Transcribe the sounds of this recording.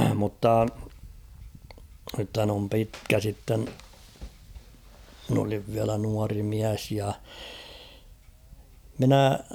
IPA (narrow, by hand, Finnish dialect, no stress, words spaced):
mutːɑ nythæn om pitkæ sitːen mɪ̆n oliʋ ʋiælæ nuɑri miæs jɑ minæˑ